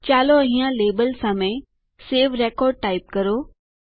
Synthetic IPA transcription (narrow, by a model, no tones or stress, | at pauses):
t͡ɕaːloɐɦĩjãleːbəlsãːmẽ | seːʋɾeːkɔːɾɖ̚ʈaːɪp̚kɐɾoː